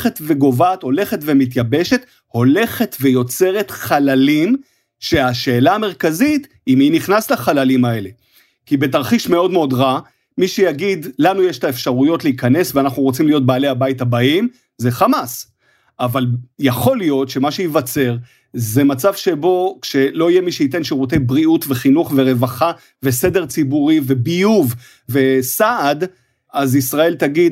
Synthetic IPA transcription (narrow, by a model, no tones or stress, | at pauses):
χetve̞ɡo̞vaːtho̞le̞χe̞tvemit̬jabe̞ʃe̞t | ho̞le̞χe̞tvejo̞t͡se̞ʁe̞tχalalim | ʃe̞aʃe̞ːlaːmeʁkazit | iminiχnaslaχalalimae̞le̞ | kibe̞taʁχiʃme̞o̞dmeo̞dʁa | miʃejaɡidlanujeʃtaefʃaʁujo̞tleikane̞sveanaχnuʁo̞t͡simlijo̞t̚baːlehabaitabaim | ze̞χamas | avaljaχo̞lijo̞tʃe̞maʃejivat͡se̞ʁ | ze̞mat͡savʃe̞bo̞kʃe̞lo̞ijemiʃeite̞nʃiʁut̬e̞jbʁiutve̞χinuχve̞ʁe̞vaχa | ve̞se̞de̞ʁt͡sibuʁive̞bijuv | ve̞saad | azisʁae̞lt̪aɡid